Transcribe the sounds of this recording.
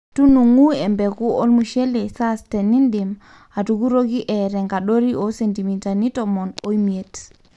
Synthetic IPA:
tu˦nu˨ŋu˦ɛ˨mbɛ˨ku˦o˦lmu˨ʃe˦le˨sa˦stɛ˨ni˦ndɪ˨m | a˨tu˨ku˦ɾo˦ɡi˦ʔɛ˨ɾɛ˨ŋɡa˨ɗo˦ɾi˦ʔo˦se˨nti˨mi˨ta˨ni˦tɔ˨mɔ˨no˦i˦mi˨e˨t

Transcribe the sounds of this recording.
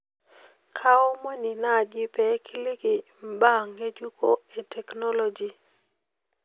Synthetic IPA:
kʰa˦ɔ˦mwɛ˦ni˨na˦˨d͡ʒɪ˦pɛ˨˦kʰɪ˦lɪ˦kɪ˨ | m˦ba˦˨ŋːe˦d͡ʒu˦kʰo̰˦e˨tʰɛ˨knɔ˦lɔ˦d͡ʒi˨

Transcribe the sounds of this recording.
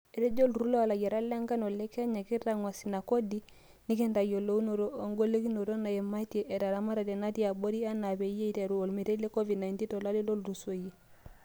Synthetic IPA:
e˨ɾe˦ɟo˦lɾu˦lo˦a˨la˨ɟe˨ɾa˦la˦ŋka˦no˨le˦ke˦ɲa˨ki˦ta˦˨ŋwa˨si˨na˨ko˦di˦ | ni˦ke˦nta˨jo˨lo˦u˦no˨ɾo˦o˨ŋɡo˦le˦ki˦no˨ɾo˦na˨je˨ma˦te˨ʔe˨ta˨ɾa˨ma˦ɾa˨de˨na˦ti˦a˨bo˦ɾi˦a˦na˨be˨je˦i˦˨te˨ɾu˨o˨lmi˨te˦le˦ko˦vi˨dna˨jnti˦nto˨la˦li˦lo˦lɾu˨so˨ji˦

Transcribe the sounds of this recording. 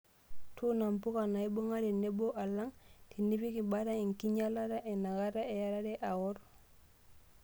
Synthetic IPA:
tʰu˦na˨mpu˦ka˨na˨i˦bo˦ŋa˦di˨ne˦bo˦ʔa˨lːa˦ŋti˨ni˦fi˦ki˨baɾa˦i˨ŋki˦ɲa˦la˦ɾa˦ʔe˨na˨ɡa˦ɾa˦e˨ja˦la˦ɾe˦ʔa˨wo˦ɾ

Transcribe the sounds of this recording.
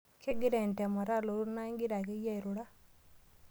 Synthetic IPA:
ke˦ɡi˦ɾɛ˨ntɛ˨ma˨ɾa˦lo˨ɾu˦na˦i˦ŋɡi˦ɾa˨ke˦ja˦i˨ɾo˨ɾa˦

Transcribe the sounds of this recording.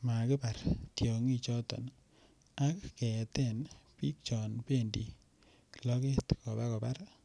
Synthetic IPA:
ma˨kɪ˦pa˨ɾtjɔ˨ŋi˦t͡ʃɔ˦tɔ̰˨n | a˦kːɛ˨tɛ˦npi˦k̚t͡ʃɔ˨npe˦ndḭ˨ | lɔ˦ke˦t̪kɔ˨pa˦kɔ˨pa˦ɾ

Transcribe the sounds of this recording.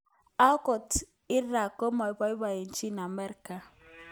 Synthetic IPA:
a˦kɔ˨t | ɪ˦ɾa˨ko˦ma˨i˦ba˨i˦ba˨je˨n̩˦t͡ʃi˦na˨me˦ɾka˨

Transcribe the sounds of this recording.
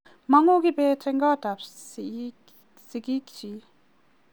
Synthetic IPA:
ma˩˨ŋo˥˨ki˨pɛː˨tʰe˩˨ŋka˥˨t̪a˩˨p̚ | si˩˨ki˥˨kt͡ɕi˩˨

